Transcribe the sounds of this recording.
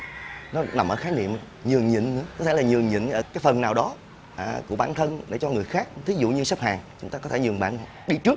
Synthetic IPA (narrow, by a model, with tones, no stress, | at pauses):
nɔ˨˦na˨˩mʔəː˧˩xaː˨˦jnḭ˧˨əm˨ | ɲɨ˨˩əŋɲḭ˧˨ŋ̟nɨ̰˧˥əkɔ˨˦t̪ʰe˧˩la˨˩ɲɨ˨˩əŋɲɨ̰˧˨ŋʔəː˧˩kaː˨˦jfə˨˩nːaː˨˩wɗɔ˨˦ | ʔku˧˩əɓaː˧˩nt̪ʰə˧nɗḛ˧˩t͡ɕɔ˧ŋɨ˨˩əjxaː˦˥k̚t̪ʰi˨˦zṵ˧˨ɲɨ˧sə˦˥p̚haː˨˩ŋt͡ɕʊ˨˦ŋ͡mt̪aː˧kɔ˨˦e˧˩ɲɨ˨˩ŋɓa̰ː˧˨n˨˧˩ɗi˧t͡ɕɨ˦˥ək̚